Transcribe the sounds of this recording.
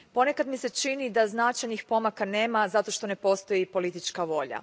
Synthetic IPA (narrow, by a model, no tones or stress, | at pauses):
po̞ne̞kad̪mise̞t͡ʃinid̪aznat͡ʃajnixpo̞makane̞ːmazat̪o̞ʃt̪o̞ne̞po̞st̪o̞jipo̞lit̪it͡ʃkaʋo̞ʎa̰